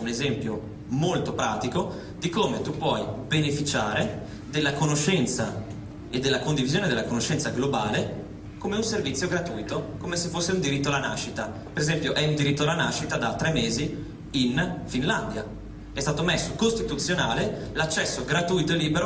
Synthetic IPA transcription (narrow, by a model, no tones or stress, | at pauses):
unezɛmpjo | molt̪opɾa̰ːt̪iko | d̪ikoːmet̪upːwɔjbenefit͡ʃaːɾe | d̪elːakonoʃːɛnt̪sa̰ | ed̪ːelːakond̪ivizjoːned̪elːakonoʃːɛnt̪saɡlobaːle | komeunservit̪sːjoɡɾat̪ujt̪okomesefːosːeund̪iɾit̪ːoalːana̰ʃːit̪a | peɾezɛmpjoʔɛund̪iɾit̪ːoalanaʃːit̪ad̪at̪ːɾɛmːeːzi | infinland̪ja | ɛst̪aːt̪omesːokost̪it̪ut̪sːjonaːle | lat͡ʃːɛsːoɡɾat̪uːjt̪oelːiːbeɾo